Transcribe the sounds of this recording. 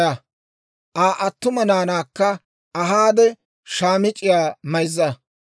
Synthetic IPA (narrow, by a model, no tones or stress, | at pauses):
ɐ | ʔaːʔɐt̪ːʊmɐnaːnaːkːɐ | ɐɦaːd̪ɛ | ʃaːmɪt͡ʃʼːɪjaːmɐjzːɐ